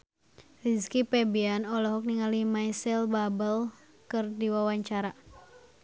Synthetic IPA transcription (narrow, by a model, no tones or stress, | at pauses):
riskipɛbianɔlɔɦɔk̚niŋalimajsɛlbabəl | kɨrdiwawaɲt͡ʃaɾa